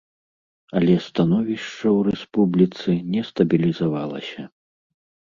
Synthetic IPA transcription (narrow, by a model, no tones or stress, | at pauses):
ɐlʲɛst̪anɔvʲiʂt͡ʂɐwrɛspublʲit̪sɨnʲɛst̪ɐbʲilʲizavalˠɐ̰sʲɐ